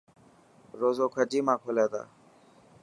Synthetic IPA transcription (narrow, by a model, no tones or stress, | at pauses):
ɾoːzoːkʰəd͡ʒiːmãːkʰoːleːt̪a̰ː